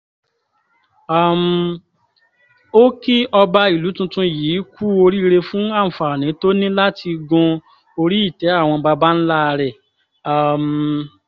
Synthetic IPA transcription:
a˨m̩ | o˦ki˦ɔ˧ba˧i˨lu˨˦tũ˧tũ˧jiː˨˦ku˦o˧ɾi˦˧ɾe˧fũ˨˦a˦˨fa˨nĩ˨˦to˦nĩ˦la˦ti˧ɡɔ̃˧ | o˧ɾi˦i˦˨tɛ˨˦a˦˨w̃ɔ̃˧ba˧ba˦n̩˦la˦˧ɾɛ˨ | a˨m̩

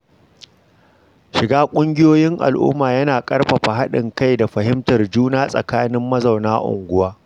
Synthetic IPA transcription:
ʃɪ˨ɡaː˦kʷʼʊ˦ŋɡʲɪ˦joː˦jɪ˦ŋʔa̰˨lʔʊ̰ː˦mːaː˨jɐ˦naː˨kʼɐ˦rɸɐ˨ɸa˨ɦa˦ɗɪ̰˨ŋka˦jda˨ɸɐ˨hɪ˦mtɐ˨rd͡ʒuː˦naː˦sʼɐ̰˨kaː˦nɪ˦mːɐ˦za˨wnaː˦ʔʊ̰˨ŋɡʷʊ˦waː˦

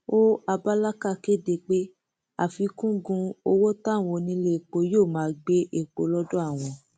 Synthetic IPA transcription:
o˦a˧ba˦la˦ka˦˨ke˦de˧˨k͡pe˦ | a̰˦˨fi˧kũ˦ɡũ˧o˧wo˦ta˦˨w̃o˧nĩ˧˦le˦e˨k͡po˨˦joː˦˨mãː˨˦ɡ͡be˦ʔe˦˨k͡po̰˨˦lɔ˦dɔ̃˦a˦˨w̃ɔ̃˧˨

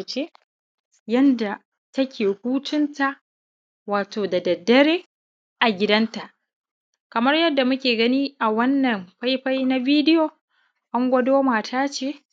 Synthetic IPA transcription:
t͡ʃeː˦ | jɐ˦nda˨ | tɐ˦kʲʰeː˨huː˦tʰʊ˦nta˨ʔ | waː˨toː˨dɐ˨dɐ˨dːɐ˦ɾeː˦ | ʔa˨ɡʲɪ˦dɐ˦nta˨ʔ | kɐ˨mɐ˦rjɐ˦dːa˨mʊ˦kʲeː˨ɡɐ˦niː˦ʔa˨wɐ˦nːɐ˨mɸa˦jɸa˦jna˦biː˦dɪ˦joː˨ | ʔa˦ŋɡʷɐ˦doː˦ma˨tʰaː˦t͡ʃeː˦

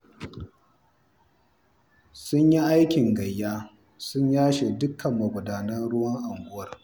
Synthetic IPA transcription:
sʊ˦ɲji˦ʔa˦jkʲɪ˨ŋɡɐ˨jːaː˦ | sʊ˦ɲjaː˦ʃe˨dʊ˦kʰːɐ˨mːɐ˨ɡʷʊ˨daː˨nɐ˦rɽʊ˦wɐ˦ŋʔa˨ŋɡʷʊ˦wɐ˨r

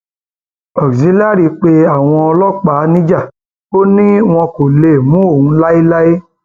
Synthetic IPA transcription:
ɔ˨kzi˨˦li˦a˦˨ɾi˨˧˦k͡pe˧˦a˦˨w̃ɔ̃˧ɔ˧lɔ˦k͡pa˨˦nĩ˦d͡ʒa˦˨ | o˦nĩ˦w̃ɔ̃˧ko˨le˨mũ˨˦o˦˨hũ˧˦la˦i˦la˦je˦

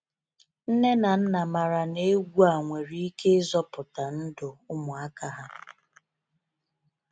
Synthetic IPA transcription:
n̩˦ne˦na˨n̩˦na˨ma˨ɾa˨ne˦ɡʷu˦a˨ŋʷe˨ɾi˦i˦ke˦zɔ˦pʊ˨ta˨n̩˦dʊ˨ʊ˦mʊ˨a˦ka˨ɦa˦

